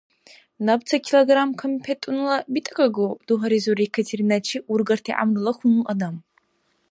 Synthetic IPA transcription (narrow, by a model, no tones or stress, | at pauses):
nɐbt͡sʰɐkʲʰiloɡramkʰɐmpʰetʼunɨlɐbitʼɐkʼɐɡod̥uɦɐɾizoɾikʰɐtʰeɾinɐt͡ʃʰiurɡɐrtʰiʔa̰mrɨlɐxʷunulʔɐdam